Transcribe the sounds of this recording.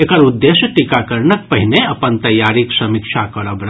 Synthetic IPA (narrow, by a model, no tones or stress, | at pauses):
ekəɾud̪ːeːʃəʈikakəɾnək̚pɐɦineɐpənt̪ɐjːaːɾiksɐmikʃʰakɐɾəbɾ